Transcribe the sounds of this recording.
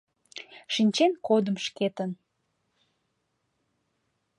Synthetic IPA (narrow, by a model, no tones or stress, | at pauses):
ʃinʲt͡ɕenkod̪əmʃket̪ən